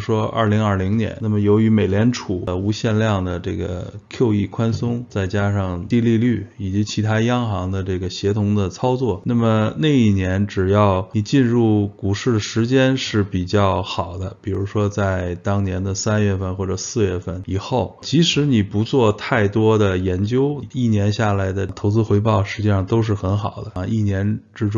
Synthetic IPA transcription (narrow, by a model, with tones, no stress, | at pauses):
ʂwɔ˥ɐ̰˞˥˩li˧˥ŋə˞˥˩li˧˥ŋnjɛ̰˧˥na˥˩mə˩jo˧˥ʊy˧˥me˨˩ɪljɛ˧˥nʈ͡ʂʰu˨˩˦u˧˥ɕjɛ˥˧nljɑ˥˩ŋd̪ə˩ʈ͡ʂɤ˥˩ɡə̰˩kʰjo˥˧ʊi˥˩kʰwa˥nsʊ˥ŋt͡sa˥˩ɪt͡ɕja˥ʂɑ˥˧ŋt̪i˥˧li˥˧ly˥˩i˨˩t͡ɕi˧˥t͡ɕʰi˧˥t̪ʰa˥jɑ˥ŋxɑ˧˥ŋd̪ə˧ʈ͡ʂɤ˥˩ɡə˩ɕjɛ˧˥t̪ʰʊ˧˥ŋd̪ə˧t͡sʰɑ˥ʊt͡swɔ˥˩na˥˩mə˩ne˥˧ɪi˥˩njɛ˧˥nʈ͡ʂɻ̩˨˩jɑ˥˩ʊni˨˩t͡ɕi˥˧nɻu˥˩ku˨˩ʂɻ̩˥˩d̪əʂɻ̩˧˥t͡ɕjɛ˥nʂɻ̩˥˩pi˨˩t͡ɕjɑ˥˩ʊxɑ˨˩ʊd̪ə˦pi˨˩ɻu˧˥ʂwɔ˥t͡sa˥˩ɪt̪ɑ˥ŋnjɛ˧˥nd̪ə˧sa˥nɥɛ˥˧fə˥˧nxwɔ˥˩ʈ͡ʂə˨˩sɹ̩˥˧ɥɛ˥˧fə˥˩ni˨˩xo˥˩ʊt͡ɕʰi˧˥ʂɻ̩˧˥ni˨˩pu˧˥t͡swɔ˥˧t̪ʰa˥˩ɪt̪wɔ˥d̪ə˨jɛ˧˥nt͡ɕjo˥ʊ˧i˥˩njɛ˧˥nɕja˥˩la˧˥ɪd̪ə˧t̪ʰo˧˥ʊt͡sɹ̩˥xwe˧˥ɪpɑ˥˩ʊʂɻ̩˧˥t͡ɕi˥˧ʂɑ˥˩ŋt̪o˥ʊʂ̬ɻ̩˥˩xə˧˥nxɑ˨˩ʊd̪ə˦i˥˩njɛ˧˥nʈ͡ʂɻ̩˥ʈ͡ʂʊ˥ŋ